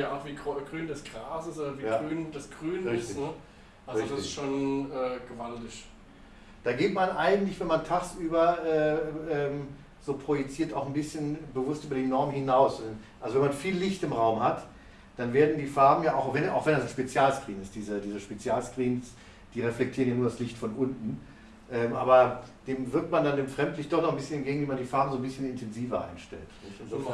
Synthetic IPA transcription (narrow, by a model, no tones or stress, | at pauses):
jaatviːɡʁɡʁyːndɛsɡ̥ʁaːsɪsoːɐviːjaːʁyːnd̥ɛsɡ̥ʁyːnʁɪɪstɪnə | ʔalʁzɪçdasɪʃoːnɛːɡ̥əvaldɪʃ | d̥aːɡeːtmanʔaɪɡŋ̩tlɪçvɛnmantʰaːxsʔyːbɐʔɛːɛːm | z̥oːpʁ̥ojɛt͡siːɐtaʊxn̩bɪsçənbəvʊstʔyːbɐdiːnɔɐmhɪnaʊsdɛnʔalzovɛnmanfiːlːɪçtɪmʁaʊmhat | d̥anveːɐdn̩diːfaɐbm̩jaːaʊxvɛna̰ʊxv̥ɛndasnʃpet͡sjaːlskʁ̥iːnɪsd̥iːzədiːzəʃpet͡sjaːlskʁ̥iːns | d̥iːʁɛflɛk̚tʰiːʁənjanuɐdaslɪçtfɔnʔʊntn̩ | ʔɛːmʔa̰ːbɐd̥eːmvɪɐk̚tmandandeːmfʁ̥ɛmtlɪçtd̥ɔχnɔχn̩bɪsçənɛnɡeːɡŋ̩viːmandiːfaɐbm̩zoːnbɪsçənɪntʰɛnziːvɐʔa̰ɪnʃtɛ̰lt